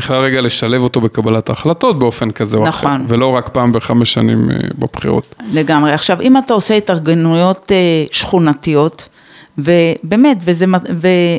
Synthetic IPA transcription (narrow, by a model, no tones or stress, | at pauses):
b̥iχlalʁeɡale̞ʃale̞vo̞t̪o̞be̞kabalatːχlato̞t̚beofe̞nkazenaχonvelo̞ʁakpaːmbeχameʃanḭmḛbabχḭʁo̰tle̞ɡamʁeaχʃavimatao̞seetaʁɡenujo̞teʃχunatio̞t | vebe̞ːme̞tvezemave